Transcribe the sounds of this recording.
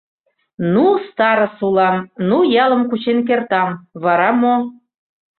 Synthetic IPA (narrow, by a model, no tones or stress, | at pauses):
nust̪ɑɾə̆sulɑmnujɑlˠə̆mkut͡ɕenk̬ert̪ɑmβɑɾɑmo